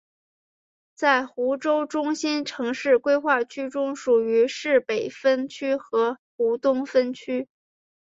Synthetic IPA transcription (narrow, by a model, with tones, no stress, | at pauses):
t͡sa˥˩ɪxu˧˥ʈ͡ʂo˥ʊʈ͡ʂʊ˥ŋɕi˥nʈ͡ʂʰɤ˧˥ŋʂɻ̩˥˩kwe˥ɪxwa˥˩t͡ɕʰy˥ʈ͡ʂʊ˥ŋʂu˨˩y˧˥ʂɻ̩˥˩pe˨˩ɪfə˥nt͡ɕʰy˥xɤ˧˥xu˧˥t̪ʊ˥ŋfə˥nt͡ɕʰy˥